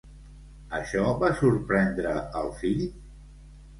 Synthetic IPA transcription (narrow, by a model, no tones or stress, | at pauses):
əʃɔβasuɾpɾɛnd̪ɾəəlˠfiʎ